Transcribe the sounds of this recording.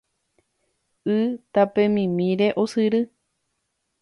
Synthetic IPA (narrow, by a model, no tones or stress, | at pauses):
ɨt̪apẽmĩmĩɾeʔosɨɾɨ